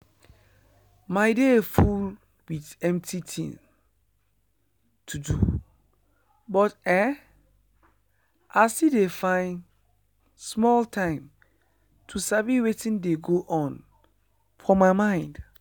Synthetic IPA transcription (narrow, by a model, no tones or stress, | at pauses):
maɪdeful | witɛ̃mp̚tʰitʰḭ̃ | tʰudṵ | bɔtɛ | asidefãɪ̃n | smɔltʰãɪ̃m | tʰusaviwetĩndeɡoʔɔ̃n | fɔmaɪmãɪ̃nd̥